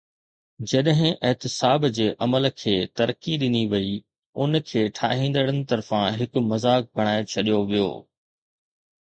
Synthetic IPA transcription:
d͡ʑɐɗɦɪ̃ʔɪɦt̪ɪsaːbd͡ʑeːʔɐməlkʰeːt̪ɐɾəkiɗɪniʋɐi | ʊnkʰeːʈʰaːɦĩːn̆d̪əɽənɪ̆t̪ɐɾfãɦɪkʊmɐzaːk̚bʱɐɽ̃aːet͡ɕʰɐɗijoʋijo̰ː

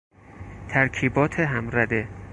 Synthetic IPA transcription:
t̪ʰæɾkʰiːbɒːt̪ʰeɦæmɾæd̪e

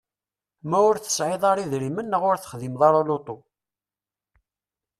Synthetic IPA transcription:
mæʊɾθə̥sʕɪðˤɑɾˤiðɾimənːəʁʊɾθə̥χðimðˤɑɾˤolot̪ˤo

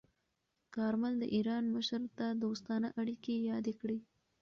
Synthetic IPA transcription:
kɑɾmald̪ə̰ʔiɾɑnməʃɾt̪ad̪ost̪ɑnəʔaɽikejɑd̪ekɽi

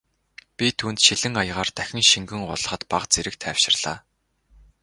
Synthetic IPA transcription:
pʲit̪ʰuːnt̪ʃiɮɘ̆ŋajʁaːrt̪æxʲɪ̆ŋʃiŋɡɘ̆ŋɢʊ̰ɮ̆χə̆t̪paqt͡seɾɘ̆k̚t̪ʰæwʃɪ̆rɮ̥aː

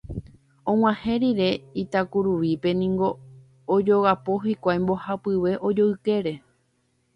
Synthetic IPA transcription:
õŋ̃ãhẽ̞ɾiɾe̞it̪akuɾuʋipe̞nĩŋɡo̞ː | d͡ʒo̞ɣapo̞ɦikʷajmbo̞hapɨʋe̞ʔo̞d͡ʒo̞ɨke̞ɾe̞

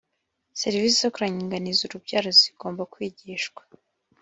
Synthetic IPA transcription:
seɾiviːs̬izokuɾaɲiːŋɡanizuɾubɟaːɾoziɡ̥o̞ːmbakwiːɟiːʃɡwḁ

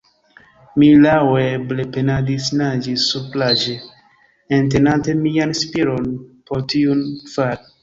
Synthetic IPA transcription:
milaweblepenadisnad͡ʒisːuplad͡ʒeː | nt̬enante̞mianspiɾonpoɾtiunfal

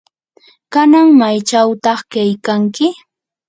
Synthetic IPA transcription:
kanaŋmajt͡ʃawt̪ɑχkajkaŋkɪ

